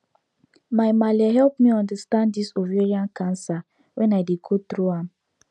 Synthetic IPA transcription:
majmaliaɦɛlpmiɔ̃ndastãnddisoveɹiãnkʰãnsa | wɛ̃naɪdeɡot̪ɾuãm

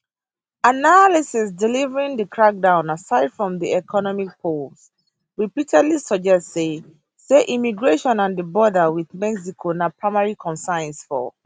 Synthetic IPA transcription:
analisis̬dɛlivəɹĩŋdəkʰɹak̚dãʊ̃nasaɪd̥fɹɔ̃mdiɛkʰɔnɔmik̚pʰols | ɹipitʰɛdlisəd͡ʒɛstse | seʔimiɡɹeʃɔ̃nãnðəbɔdəwiðmɛks̬ikʰonapʰɹaɪmaɹikʰɔ̃nsãɪ̃nsfɔ̰

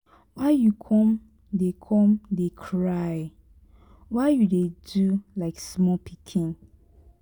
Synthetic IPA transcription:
waɪjukʰɔ̃m | dekʰɔ̃mdekʰɹaj | waɪjudedulaɪksmɔpʰikʰĩn

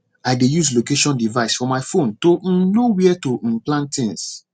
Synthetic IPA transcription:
aɪdejuslokeʃɔ̃ndivaɪsfɔ̃maɪfõnton̩nowiɛtoĩplãntĩns

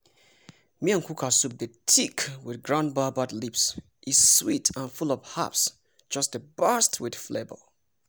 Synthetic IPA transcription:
miãŋkʰukʰasup̚dətʰikwɪθɡɹãnbabadlips | ʔiz̥switʰə̃nfulɔv̥ha̰ps | d̥d͡ʒ̥ʌstdəbɜstʰwid̥flebə̰l

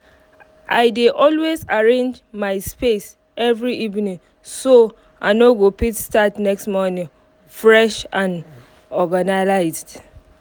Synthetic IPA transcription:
ʔaɪdeʔɔlwezaɹẽnd͡ʒ | maɪspes | ʔɛvɹiʔivnĩŋ | so | ʔanoɡopitstatnɛkstmɔnɪ̃ŋ | fɹɛʃãn | ɔɡanalaɪzd

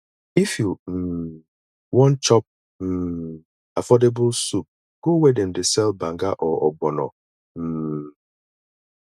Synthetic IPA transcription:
ifjum̩ | wɔ̃nt͡ʃɔp̚ | m̩ː | afɔdebʊlsup̚ | ɡ̥owedɛn̩desɛlbãŋɡaʔɔʔɔɡ͡bɔnɔ̰ | m̩ː

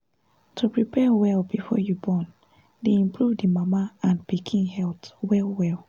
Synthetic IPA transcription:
tʰupɹipʰɛwɛlbifɔ̰jubɔn | deĩmpʰɹuvdimamaãnpikʰĩnhɛltwɛlwɛlˠ

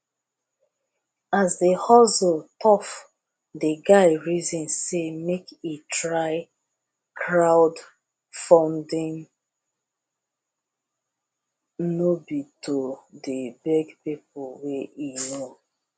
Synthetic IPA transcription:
azdehɔsɔltʰɔf | deɡaɪɹizɔ̃nsemekitʰɹaɪ | kʰɹaʊd | fãndĩn | nobitʰodebɛɡpip̚ʊlweino

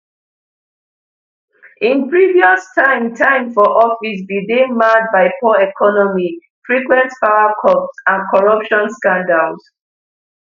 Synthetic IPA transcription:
ĩnpɹiviɔstʰãɪ̃mtʰãɪ̃mfɔʔɔfisbidẽnmad̚baɪpʰɔɛkʰɔnɔmi | fɹikwɛ̃ntfaʊakʰɔpsãnkʰɔɹʌpʃɔ̃nskãndals

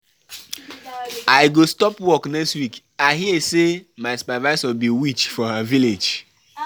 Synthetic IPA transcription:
ajɡostɔpwɔknɛkstwik | aɪɦiɛsemaɪsu̥pɛvaɪsɔbiwit͡ʃfɔhaviled͡ʒ

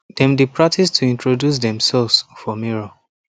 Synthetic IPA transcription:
dɛ̃mdipɹatistʰuĩntɹodjus̬dɛ̃msɛlvsfɔmiɹo

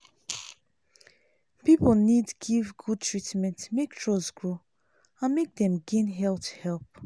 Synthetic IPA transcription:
pipəl̩ˠnidɡivɡud̚tʰɹitmɛ̃ntmektʰɹɔzɡɹo | ãnmek̚dɛ̃mɡẽnɦɛlthɛlp̚

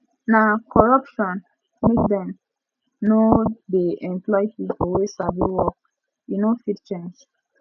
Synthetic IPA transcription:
nakʰɔɹapʃɔ̃n | mekdɛ̃m | nodeʔɛ̃mplɔjhipɔwesaviwɔk̚ | inofitt͡ʃẽnd͡ʒ

